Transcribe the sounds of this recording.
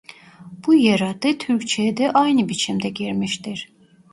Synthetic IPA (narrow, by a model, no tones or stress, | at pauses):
b̥ujaɾad̪ɯt̪ʰyɾct͡ʃʰɛd̪ɛʔajnɯbit͡ʃʰimd̪ɛɟiɾmiʃt̪iɾ̥